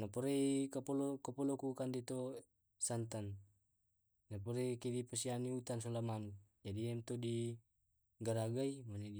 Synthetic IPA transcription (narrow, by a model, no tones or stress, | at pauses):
napɔɾeikapolokapɔlokukandit̪o | sant̪an | napɔɾekedipasianiut̪ans̬ɔlamanud͡ʒadiɛmt̪odi | ɡaɾaɡaimanei